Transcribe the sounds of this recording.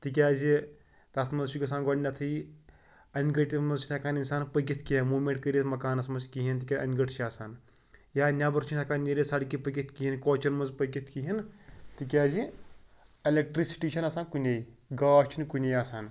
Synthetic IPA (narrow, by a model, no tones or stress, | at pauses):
t̪ik̬ʲaːzi | t̪at̪ʰmɐzʃukʲɐs̬aːnɡɐnʲnʲːat̪ʰɨ | ɐnɡɐʈʲimɐzt͡ʃʰnʰɐkaːninsaːnpɐɡʲit̪ʰkijɐnmuːmʲeɳʈ̚kəɾit̪ʰmɐkaːnɐsmɐnzkiɦint̪ikʲaʔɐnɡɐʈt͡ʃʰiaːsaːnjaːnʲabɐɾt͡ʃʰunɐkaːnjeɾesaːɽkipɐɡʲit̪ʰkiɦinkoːt͡ʃɐnmɐnzpɐɡʲit̪ʰkiɦint̪ik̬ʲaːzi | ɐlʲek̚ʈɾisi̥ʈiːʃʰɐnɐsaːnkunʲejɡaːʃt͡ʃʰinkunʲejaːsaːn